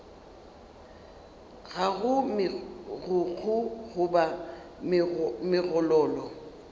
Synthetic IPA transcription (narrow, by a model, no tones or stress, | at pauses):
ɣaɣʊmɪɣʊk͡xʰʊɣʊba | mɪɣɔlɔːlɔ